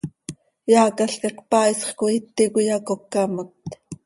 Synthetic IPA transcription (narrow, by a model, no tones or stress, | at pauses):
jɑːkaɬkɑkpɑːisχkoit̪ːikujɑkokːɑmot̪